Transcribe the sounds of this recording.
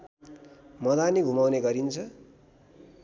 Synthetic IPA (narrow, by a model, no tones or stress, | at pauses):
mʌd̪aniɡʱumawneɡʌɾint͡sʰʌ